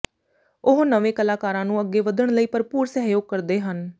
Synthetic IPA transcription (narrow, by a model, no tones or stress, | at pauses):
ʊɦnəʋẽːkəlaːkaːɾãːnũːəɡːeːʋəd̪əɳləiːpəɾpuːɾsɛːɦjoːɡ̚kəɾd̪eːɦən